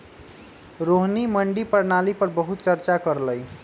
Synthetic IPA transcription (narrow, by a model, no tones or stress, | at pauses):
ɾoɦniməɳɖipəɾnalipʌɾbəɦut̪̚t͡ʃʌɾt͡ʃakʌɾləj